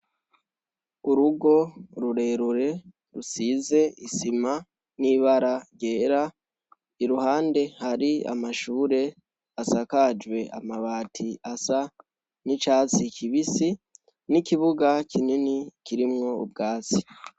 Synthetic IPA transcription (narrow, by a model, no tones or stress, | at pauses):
uɾuɡo̞ɾuɾe̞ɾuɾe̞ | ɾusize̞isima | niβaɾaɟe̞ːɾa | iɾuhaːnde̞haɾia̰maʃuːɾe̞ | asakad͡ʒɡwe̞a̰maβaːtʰiasa | nit͡ʃaːt͡sikʰiβisi | nikiβuɡakʰininikiɾimŋo̞ṵb̚ɡaːt͡si̥